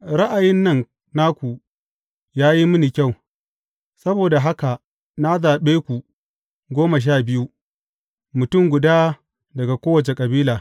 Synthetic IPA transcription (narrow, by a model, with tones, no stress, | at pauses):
ɾɐ˦ʔa˨jɪ˦nːɐ˦˨ŋ | na˦kʷu˨ | jaː˦ji˦mʊ˦ni˨kʲa˦˨w | sɐ˦boː˨da˨ɦa˦ka˨ | na˦zaː˨ɓeː˦kʷu˨ | ɡʷoː˦ma˨ʃ̬aː˦˨bɪ˦ju˦ | mʊ˨tʊ˦˨ŋɡʷʊ˨daː˦ | dɐ˨ɡa˨kʷoː˦wɐ˨t͡ʃe˨kʼɐ˨biː˦laː˨